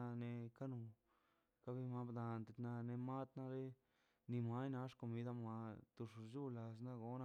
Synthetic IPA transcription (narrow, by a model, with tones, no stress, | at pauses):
ne˧ka˦nu˧ | ka˦bi˧ma˧bd̪a˨nt̪e˧t̪na˧ne˧ma˦t̪na˧ɾe˦ | ni˧ma˦jna˧ʂko˧mi˧d̪a˦˧ma˧t̪u˧ʂd͡ʒu˦la˧s̬na˦ɡo˧˦na˧